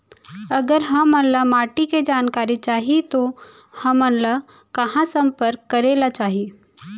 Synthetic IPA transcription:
ɐɡəɾɦɐmənlamaːʈiked͡ʒaːnkaːɾit͡ʃaːɦit̪o | hɐmənla | kɐɦãsə̃mpəɾkːɐɾeːlat͡ʃaːɦi

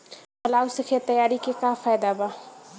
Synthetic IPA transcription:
qɐlaːwsɪkʰet̪ɐjaːɾikekãːfaːjd̪abaː

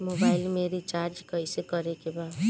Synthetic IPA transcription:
mobajlmeɾit͡ʃard͡ʒkʌjsekʌɾekeba

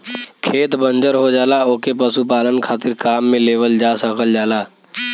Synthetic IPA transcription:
kʰeːt̪bə̃nd͡ʒəɾɦod͡ʒaːlaoːkepəsupaːlənkʰaːt̪ɪɾkaːmːẽleːʋəld͡ʒaːsəkʰəld͡ʒaːlaː

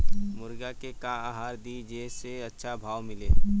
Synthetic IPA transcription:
mʊɾɡakekãaɦaːɾd̪id͡ʒeːseətːʃʰabʱaːwmɪleː

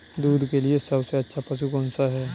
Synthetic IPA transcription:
d̪uːɾkeliesəbseətːɕʰapəs̬uːkɔnsaɦɛ

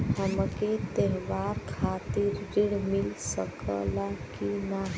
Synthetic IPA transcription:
həmket̪eɦʋaɾkʰat̪iɾːiɽmilsəkə̰lakina

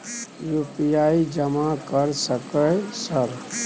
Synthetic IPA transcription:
jupijaid͡ʒəmakəɾsəkəsəɾ

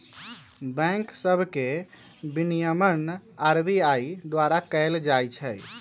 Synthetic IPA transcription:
bɛ̃ŋksəbʱke | binijəmənaɾbiaid̪waɾakəld͡ʒajt͡ʃʰɛj

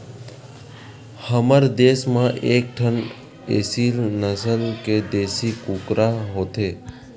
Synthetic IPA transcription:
həməɾd̪eːsmãʔeːk̚ʈʰən | ḛːsilnəsəlked̪eːsikukɾaɦoːt̪ʰeː

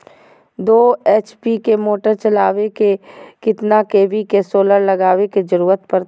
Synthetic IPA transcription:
d̪oːeːt͡ʃpikemoːʈəɾt͡ʃɐlaːʋekekɪt̪nakeːʋikesoːləɾlɐɡaːʋeked͡ʒɐɾuːɾət̪pɐɾ

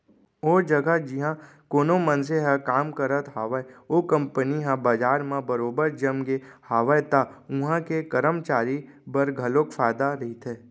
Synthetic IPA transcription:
oːd͡ʒəɡəd͡ʒɪɦã | koːnomənseɦɛkaːmkəɾət̪ɦaːʋəeoːkə̃mpəniɦãbəd͡ʒaːɾmẽbəɾoːbəɾd͡ʒəmɡehaːʋəjt̪aʊ̃ɦãkekəɾəmt͡ʃaːɾi | bəɾɡʱɐlokfʰaːɪd̪aɾɐɦit̪ʰeː

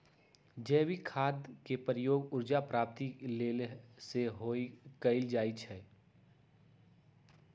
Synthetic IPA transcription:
d͡ʒɛːwikʰaːd̪kepəɾɪjoːɡʊɾd͡ʒapɾaːp̚t̪ileːlseɦoːikəɪld͡ʒaːit͡ʃʰɛː

